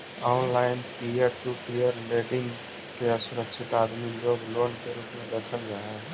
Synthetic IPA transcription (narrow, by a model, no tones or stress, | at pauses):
ɔːnlaːɪnpijəɾʈupijəɾleːʈɪŋɡ | keəsʊɾəkʃʰɪt̪aːd̪miloːɡloːnkeɾuːpmẽd̪eːkʰəld͡ʒaːɦɛ